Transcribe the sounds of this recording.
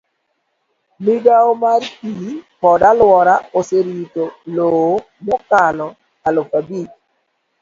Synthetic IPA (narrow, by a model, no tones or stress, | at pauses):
miɡaomarkipɔdalwɔɾaoseɾitolo | mokalɔ | alofabik̚